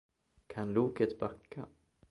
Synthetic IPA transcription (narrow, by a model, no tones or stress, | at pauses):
kʰanluːkət̪bakʰːa